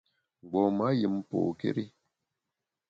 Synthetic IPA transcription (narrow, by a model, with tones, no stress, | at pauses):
ɡ͡bɔ˨ma˨˦jə˨m˦po̰˨kḛ˦ɾi˦